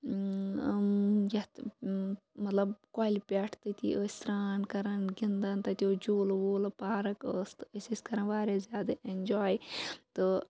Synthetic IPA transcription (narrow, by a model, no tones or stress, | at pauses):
jɐt̪ | mɐt̪lɐbkaːlʲipʲɛːʈʰt̪ɨt̪ʲḭʔəːsʲɾaːnkɐɾɐnɡind̪ɐnt̪ɐt̪ʲjoːd͡ʒoːlʋoːlɐpaːɾɐkəːst̪əsʲiskɐɾɐnʋaːɾezʲjaːd̪ɐʔend͡ʒaːjt̪ɨ